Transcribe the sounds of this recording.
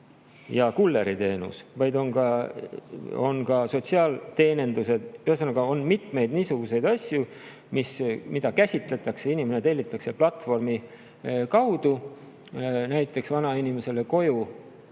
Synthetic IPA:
jɑkulːe̞ɾit̪e̞ːnṵsvɑjd̪o̞nkɑ | o̞̰nkɑso̞t̪ʲsiɑːlt̪e̞ːne̞nd̪use̞d̪̥yhesɑnːɑɡ̥ɑo̞nmit̪me̞jd̪̥niːsuɡ̥use̞jd̪ɑsʲju | mismid̪̥ɑkæsʲit̪ˑle̞t̪ːˑɑkse̞inʲimenet̪e̞lʲːit̪ˑːɑkse̞plɑt̪ːˑfo̞rmi | kɑwd̪̥u | næjt̪ːˑe̞ksvɑnɑinʲime̞se̞le̞ko̞ju

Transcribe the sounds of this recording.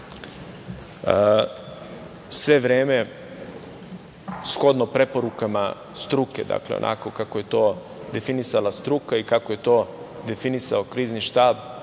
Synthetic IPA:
sʋe̞ʋɾeːme̞ | sxo̞d̪nopɾe̞po̞ɾukama | st̪ɾuke̞̰d̪a̰kleo̰nʔa̰ko̞kakoje̞t̪o̞ː | d̪e̞finisalast̪ɾukaikako̞je̞t̪o̞ː | d̪efinisaokɾiːzniʃt̪aːb

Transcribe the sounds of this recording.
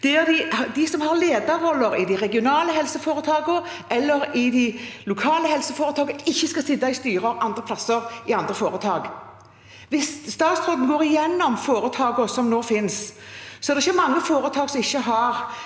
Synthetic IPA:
d̪̥ɛɛd̪ɪd̪ɪsɔmhɑɾleːd̪ɑʁɔlːəɾɪd̪ɪʁɛɡɪʊnɑːləɦɛlsəfoːɾət̪ʰɑːɡə | ɛlːəɾɪd̪ɪlʊkʰɑːləhɛlsəfoːɾət̪ʰɑːɡəɪçːəskɑsɪd̪ːɑɪst̪yːʁɑʔɑnd̪ʁəpʰlɑsəɾɪɑnd̪ɾəfoːɾət̪ʰɑːɡ | ʋɪsst̪ɑːt̪st̪ɾoːd̪n̩ɡoːʁɾɪjɛnːɔmfoːɾət̪ʰɑːɡɔsɔmnoːfɪnssɔɛd̪ɛɪçːəmɑŋːəfoːɾət̪ʰɑːɡsɔmɪçːəɦɑɾ

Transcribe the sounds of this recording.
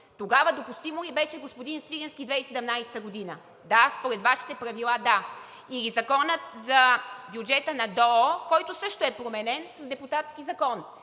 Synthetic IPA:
t̪oɡavəd̪opust̪imolibɛʃɛɡospod̪insviɾʲɛnskʲid̪vɛjsɛd̪ɐmnajsɛ̥t̪əɡod̪inə | d̪aspoɾɛt̪vaʃi̥t̪ɛpɾɐvilˠad̪a | ilizɐkɔnət̪zɐbjud͡ʒɛt̪ənɐd̪ɔkɔjt̪ʊsɤʃt̪oɛpɾomɛnɛnsɐzd̪ɛput̪at̪sk̟izɐkɔn

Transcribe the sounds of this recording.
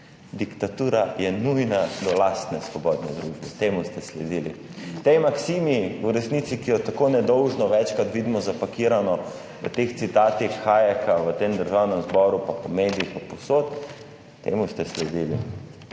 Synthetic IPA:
d̪ikt̪at̪uːɾajɛnujnad̪ɔlast̪nɛsʋɔbɔːd̪nɛd̪ɾuʒbɛt̪eːmust̪ɛslɛd̪iːlḭ | t̪ɛjmaksiːmiuɾɛsnit̪sikijɔt̪akoːnɛd̪ɔwʒnɔʋɛt͡ʃkat̪ʋiːd̪imɔzapakiːɾanɔ | ʋə̰t̪ext̪sit̪aːt̪ixːaːjɛkʰaʋət̪eːmd̪əɾʒawnɛmzbɔːɾupapɔmeːd̪iixaposoːt̪ː | ḛmust̪ɛslɛd̪ilḭ

